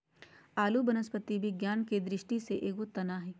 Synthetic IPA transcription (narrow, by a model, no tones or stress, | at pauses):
aːlubənəspət̪ibʱiɡjaːnked̪ɾɪʃʈiseʔeːɡot̪ɐnaːɦɛː